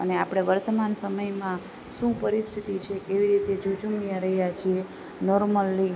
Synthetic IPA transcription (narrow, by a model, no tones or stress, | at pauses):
ə̰neapɽ̃eʋəɾt̪əmansəməjmã | ʃũpəɾist̪ʰit̪it͡ʃʰekeʋiɾit̪ed͡ʒod͡ʒumijãɾəɦijat͡ʃʰie | nɔɾməlːi